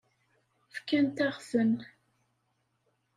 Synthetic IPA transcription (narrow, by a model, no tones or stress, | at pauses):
fkænt̪æʁvən